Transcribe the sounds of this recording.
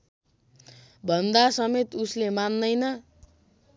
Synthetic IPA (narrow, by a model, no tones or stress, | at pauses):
bʱʌnd̪asʌmet̪uslemanːʌjnʌ